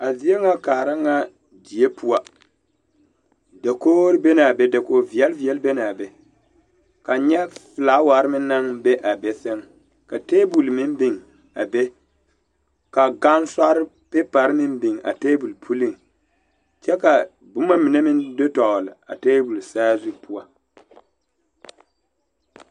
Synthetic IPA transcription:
a˨zi˦e˦ŋa˦kaː˨ɾa˦ŋa˦ | di˨e˦pʰu˦a˨ | da˨koː˦ɾbe˦na˨be˦da˨koː˨vi˨ɛ˦lvi˨ɛ˦lbe˦na˨be˦ | ka˨ɲɛ˦fɪ˨laː˨˦wa˨ɾmɪ˦n˦nːa˦ŋbe˦ʔa˨be˦sɪ˦ŋ | ka˨teː˦bu˨lmɪ˦m˦bɪ˨ŋ | a˨be˦ | ka˨ɡa˦nsa˦ɾɪ˦ | pe˦pa˨ɾmɪ˦nbɪ˨ŋa̰˨teː˦bu˨lpʰu˦li˦ŋ | t͡ʃɛ˦ka˨ | bʊ˦ma˦mi˨ne˦mɪ˦ndo˦tɔ˨lɪ˨a̰˨teː˦bu˨lsaː˦zu˦pʊ˦a˦

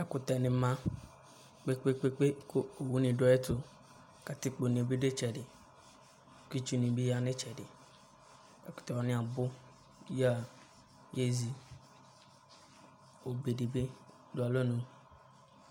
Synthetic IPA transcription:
a˨ku˨t̪a˨nẽ˨mã˦ | k͡pe˦k͡pe˦k͡pe˦k͡pe˦ko˦o˨wu˦nĩ˨ɖo˦e˦t̪o˦ | ka˨t̪i˦k͡po˨nĩ˨o˨be˦ɖe˦t͡ʃɛ˨ɖe˨ | ki˦t͡ʃu˦nĩ˨bi˦ja˦˨nẽ˦t͡ʃɛ˨ɖe˨ | a˨ku̥˨t̪a˨wa˨nĩ˦a˨bo˦ | ja˨ | je˦zi˨ | wo˨be˨ɖe˨be˦ | ɖo˨˦a˨lo˦nũ˦

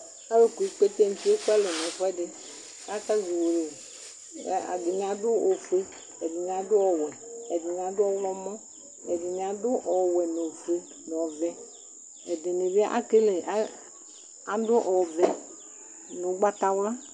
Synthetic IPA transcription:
a˦le˦ku˨˦k͡pe˦t̪e˦n̩˦ti˦e˦ku˦a˦lɔ˨nɔ̃˨fɔ˦ɛ˦de˨ | a˦ka˦zi˨wo˨lḛ˨˦ | a̰˨ɡe˨n˨a˨dʊ˦o˨fe˦ | ɛ˨ɡi˨n˨a˨dʊ˦ɔ˨wɛ˨ɛ˨di˨n˨a˨dʊ˦ɔ˦wlɔ˦mɔ̃˦ | ɛ˨ɡi˨nĩ˨a˨dʊ˦ʔɔ˨wɛ˨no˨fe˦ | n˨ɔ˨vɛ˨ | ɛ˨de˨ne˨be˦ʔa̰˦ke˦le˨ʔa˦ | a˨dʊ˦ʔɔ˨vɛ˨ | no˨˦ɡ͡ba˦t̪a˦wla˦

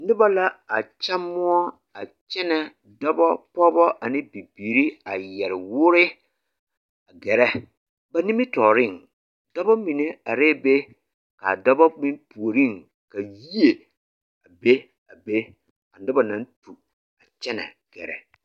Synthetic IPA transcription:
nɪ˦ba˦la˦a˨t͡ʃa˦mʊ˦ɔ˦ | a˨t͡ʃɛ˦nɛ˨ | dɔ˦bɔ˦pɔ˦bɔ˦ʔa˨nɪ˦bi˨biː˨ɾi˦a˨jɛ˨ɾɪ˨wʊ˦ɾɪ˦ | a˨ɡɛ˨ɾɛ˦ | ba˨ni˦mɪ˦tɔː˨ɾɪ˦˨ŋ | dɔ˦bɔ˦mi˨ne˨a˨ɾeː˦be˦ | ka̰˨dɔ˦bɔ˦mɪ˦mpu˨o˨ɾi˦˨ŋ | ka˨ji˦e˨ | a˨be˦ | a˨be˦ | a˨nɪ˦ba˨nã˨˦n˦tu˨ | a˨t͡ʃɛ˦nɛ̰˨ɡ̥ɛ̰˨ɾɛ̰˨

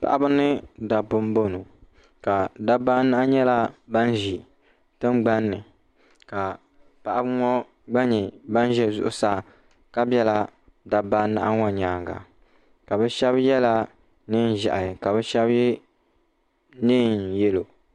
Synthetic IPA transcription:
pa̰˨ʔa˦bɨ˦nɨ˦da˨bʊ˦m˦bo˦no˨ | ka˨da˦ba˦na˦ʔa˦ɲɛ˦la˦ba˦nʒi˨ | tɨ˦mɡ͡ba˦nːɨ˨ | ka˨ | pa˦˨ʔa˦bɨ˦ŋɔ˦ | ɡ͡ba˦ɲɛ˨ba˦n˦ʒɛ˨zʊ̰˦ʔʊ˦saː˦˨ | ka˦bjɛ˦la˦ | da˨ba˦na̰˦ʔa˦ŋɔ˨ɲaː˨ŋɡa̰˨ | ka˨bɛ˦ʃɛ˦bjɛ˦la˦ | nɨ˦n˨ʒa̰˨ʔa˨jka˨bɛ˦ʃɛ˦bjɛ˦ | nɨː˦˨njɛ˦lo˨

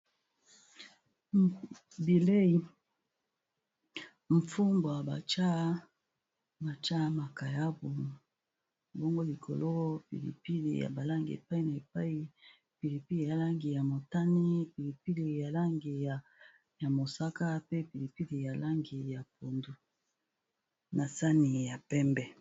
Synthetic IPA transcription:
bi˨le˦i˨ | ɱ˨fu˦mbo˨a˨ba̰˨t͡ʃa˦ | ma˨t͡ʃa˦ma˨ka˨ja˦bu˨m | bo˦ŋɡo˦li˨kʰo̰˨lo˦pḭ˨lḭ˨pi˦lḭ˨ja̰˨ba˨la˦ŋɡḭ˨ḛ˨pa˦i˨na˨e˨pa˦i˦ | pi˨li˨pi˦li˨ja˨la˦ŋɡi˨ja˨mo˨ta˦ni˦pi˨li˨pi˦li˨ja˨la˦ŋɡi˨j | ja˨mo˨sa˦ka˦pe˦pi˨li˨pi˦li˨ja˨la˦ŋɡi˨ja˨po˨ndu˨ | na˨sa˦ni˨ja˨pɛ˦mbɛ˦

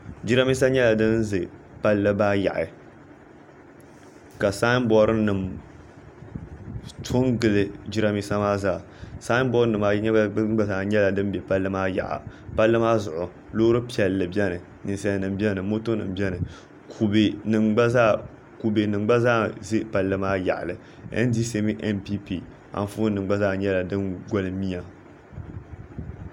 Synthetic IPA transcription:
d͡ʒi˦ɾa˦mi˦s̬a˦ɲɛ˦la˨dɨ˦nzɨ˨ | pa˦lːɨ˦baː˦ja̰˨ʔɪ˨ | ka˨saː˦m˦bɔ˦ɾɨ˦nɨ˨m | tʰo˦ŋɡɨ˨lɨ˦d͡ʒi˦ɾa˦mi˦sa˦maː˦zaː˨ | saː˦m˦bɔ˦ɾɨ˦nɨ˨ma˦ɲ˦ɡ͡ba˦zaː˨ɲɛ˦la˨dɨ˦m˦bɛ˨pa˦lːɨ˦maː˦ja̰˨ʔa̰˨ | pa˦lːɨ˦maː˦zʊ˨ʔʊ˨ | lo˦ɾɨ˦pi˦ɛ˨lːɨ˨bɛ˦nɨ˨ | nɨ˨n˨sa˦˨nɨ˨m˦bʲɛ˦nɨ˨mo˦to˦nɨ̰˨m˦bʲɛ˦nɨ˨ | kʰu˨bnɨ˨a˦a˦ | ku˨bɨ˨nɨ˨ŋ͡mɡ͡ba˦zaː˦˨zɨ˦pa˨lːɨ˦maː˦ja̰˨ʔlɨ˨ | ɛ̰˦n˦di˦se˦mɨ˦ʔɛ˦mpi˦pi˦˨ | a̰˨n˦fu˦nɨ˨ŋ͡mɡ͡ba˦zaː˦˨ɲɛ˦la˨dɨ˦nɡo˦lɨ˦mi˦ja˨

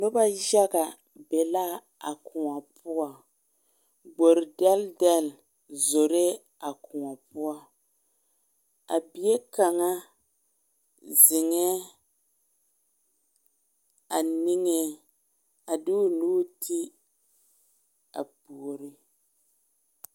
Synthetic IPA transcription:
lʊ˦ba˦ʒa˦ɡa˨ | bɛ˨la˦ | a̰˨kʰʊ˨ŋa˨pʊ˦a˨ | ɡ͡bo˨ɾɪ˨dɛ˦ldɛ˦l | zo˨ɾe˦ | a˨kʰʊ˨ŋa˨pʊ˦a˦ | a̰˨bi˨je˦ka˨ŋa˦ | zɪ˨ŋɛ˦ | a˨nɪ˦ŋɛ˦ | a˨du˦nuː˦tʰi˦ | a̰˨pu˨o˨ɾi˦

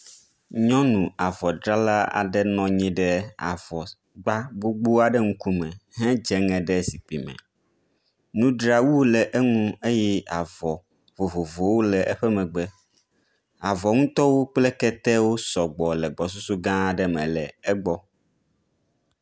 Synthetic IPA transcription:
ɲɔ̃˦nũ˨a˨vɔ˨ɖɾa˦la˦a̰˨ɖɛ˦nɔ̃˨ɲĩ˦ɖɛ˦a̰˨vɔ˨ | ɡ͡ba˦ɡ͡bo˦ɡ͡bo˦a˨ɖɛ˦ŋũ˦ku˦mɛ̃˨ɦɛ̃˦d͡ʒɛ˦ŋɛ̃˨ɖɛ˦si˨k͡pi˨mɛ̰̃˨ | nũ˦ɖɾa˦wu˦lɛ˨ʔɛ˦ŋũ˦e˦jɛ˦a˨vɔ˨ | vo˨vo˨vo˨wo˦lɛ˨ʔɛ˦ɸɛ˦mɛ̃˨ɡ͡bɛ˦ | a˨vɔ˨ŋũ˦t̪ɔ˦wo˦k͡plɛ˦kɛ˦t̪ɛ˦wo˦sɔ˨ɡ͡bɔ˨lɛ˨ɡ͡bɔ˨s̬u˦su˦ɡã˦˨ɖɛ˨mɛ̃˨lɛ˨ɛ˦ɡ͡bɔ˦

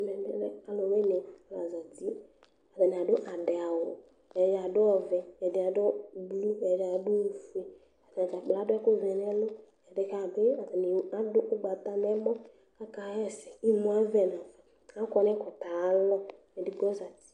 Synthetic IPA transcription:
mɛ˨dɛ̰˦lɛ˦a˨˦lɔ˨wɛ˦nɛ˨a˨la˨za˨ti˦ | a˨dɛ˨n˨a˨dʊ˦ʔa˨dɪ˨a˨wɔ˨ | ɛ˨da˨dʊ˦ɔ˨vɛ˨ɛ˨dɪ˨˦a˨dʊ˦blu˦ɛ˨da˨˦dʊ˦˨fu˦e˨ | a˨da˨d͡ʒa˨k͡pla˨˦dʊ˦ɛ˦kʊ˦vɛ˨nɛ˦lʊ˦ | ɛ˨dɪ˨ka˨bɪ˦a˨ta˨ni˨a˦dʊ˦ʔʊ˦ɡ͡ba˨t̪a˨nɛ˦mɔ˦ | a˦ka˨˦ɛ˦sɛ˨i˦mu˨a˦vɛ˨n˨a˨va˨ | a˦kɔ˨nɛ˦kʊ˨t̪a˨˦lɔ˦ | ɛ˨dɪ˨ɡ͡bɔ˦za˨ti̥˨˦

